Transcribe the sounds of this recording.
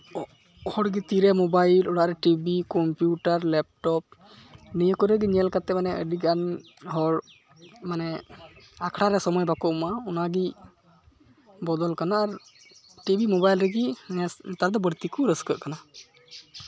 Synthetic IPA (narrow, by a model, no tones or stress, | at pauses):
hɔɽɡit̪iɾɛmɔbajlɔɽaʔɾɛʈibikɔmpjuʈaɾlɛp̚ʈɔp̚ | nijəkɔɾɛɡiɲɛlkat̪ɛmanɛə̰ɖiɡan | ɦɔɽ | manɛ | akʰɽaɾɛsɔmɔjbakɔʔɔmaɔnaɡi | bɔd̪ɔlkanaːɾ | ʈibimɔbajlɾɛɡinɛt̪aɾd̪ɔbəɾt̪ikɔɾəskəʔkana